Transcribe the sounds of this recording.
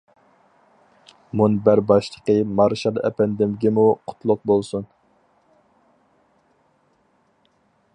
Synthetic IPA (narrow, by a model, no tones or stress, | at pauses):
munbæɾbɑʃlˠəqəmɑɾʃɑlˠɛ̰pɛnd̪ɪmɡʲɛmuqʰʊ̥t̪ʰlˠʊq̚bolˠsun